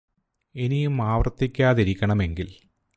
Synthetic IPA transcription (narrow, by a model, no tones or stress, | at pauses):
enijumaːʋrt̪ːikʲːaːðiɾikʲːɐɳɐme̞ŋɡil